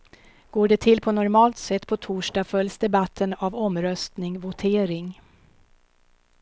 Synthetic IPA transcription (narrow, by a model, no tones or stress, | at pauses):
ɡ̥oːɖɛt̪ʰɪlːpʰɔnɔɾmɑːlt̪sɛt̪ːpʰɔt̪ʰuːʂɖɑːfœljsd̪ɛbat̪ʰːənavɔmɾœst̪nɪŋvʊt̪ʰeːɾɪŋ